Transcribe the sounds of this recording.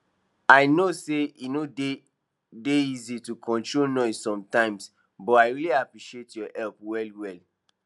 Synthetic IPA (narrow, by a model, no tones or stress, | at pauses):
aɪnoseinode | deizitukʰɔ̃ntɹonɔsɔ̃mtãɪ̃ms | bɔaɪɹiliapɹiʃietjɔhɛlpwɛlwɛl